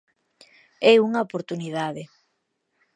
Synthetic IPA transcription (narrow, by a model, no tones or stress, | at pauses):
ɛuŋaopoɾt̪uniðaðe